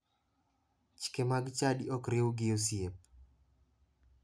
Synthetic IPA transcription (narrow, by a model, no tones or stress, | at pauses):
t͡ʃkemaɡt͡ʃadiɔkɾewuɡɪosijep̚